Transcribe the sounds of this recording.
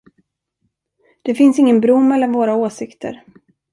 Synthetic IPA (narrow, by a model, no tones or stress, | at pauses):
d̪̥ɛfɪnsɪŋːənbɾʊmːɛlːanvoːɾaoːsɪkt̪ʰə̰ɾ